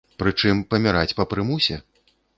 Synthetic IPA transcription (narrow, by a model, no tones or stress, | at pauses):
pɾɨt͡ʂɨmpɐmʲaɾat͡sʲpɐpɾɨmusʲɛ